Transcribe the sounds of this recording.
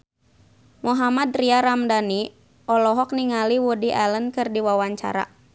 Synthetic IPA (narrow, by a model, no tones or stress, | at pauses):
muɦamad̪riaɾamdani | ʔɔlɔɦɔk̚niŋaliwudiʔalənkɨrdiwawaɲt͡ʃa̰ɾa̰